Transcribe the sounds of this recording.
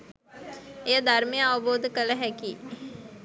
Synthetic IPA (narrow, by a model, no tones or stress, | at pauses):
eəd̪aɾmijãboːd̪kələɦɛki